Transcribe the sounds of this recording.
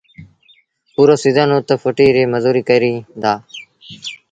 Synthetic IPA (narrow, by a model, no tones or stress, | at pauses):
puːɾoːsiːzaːnõːt̪əfʰoːʈiːɾeːməzuːɾiːkəɾiːd̪aː